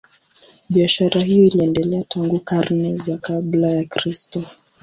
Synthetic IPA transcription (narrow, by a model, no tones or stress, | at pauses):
ɓiaʃaɾaɦijɔiliɛndɛlɛatʰaŋɡukaɾnɛzakablajakɾistɔ